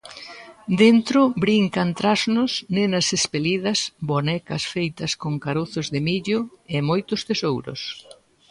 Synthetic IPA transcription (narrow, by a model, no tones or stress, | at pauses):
d̪ent̪ɾʊbɾiŋkɐnt̪ɾaznʊsnenɐsespeliðɐsbonɛkɐsfejt̪ɐskoŋkaɾoθʊzðɪmiʎʊemojt̪ʊst̪esowɾʊ̰s